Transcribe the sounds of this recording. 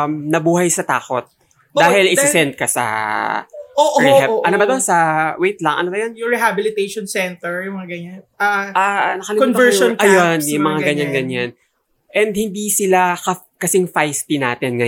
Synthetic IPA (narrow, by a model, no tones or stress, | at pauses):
mnɐbuːhɐjsɐt̪a̰ːko̞t̪̚ | d̪aːhɪlɪsɪsɛnt̪̚kɐsɐ̰ | oːʔɹɛɛʔʔɐnobɐd̪onsɐwejt̪lɐŋʔɐ̰nobɐjonjʊŋɹɛɦabɪlɪt̪ejʃonsɛnt̪ɛɹjʊmɐŋaɡɐɲanʔaʔaːnɐkɐlɪmuːɐɛɔnɐjonjʊŋmɐŋaɡɐɲːanɡɐɲːan | ʔɛnd̪̚hɪnd̪isɪlakɐ | kɐsɪŋfajspinaːt̪ɪnŋɐ